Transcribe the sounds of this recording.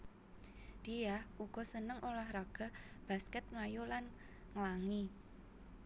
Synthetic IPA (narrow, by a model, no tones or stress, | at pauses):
d̪̥ijahʔuɡ̥ɔ̤sənəŋʔolahraɡ̥a̤b̥a̤skɛt̪̚ŋajolan | ŋəlaŋi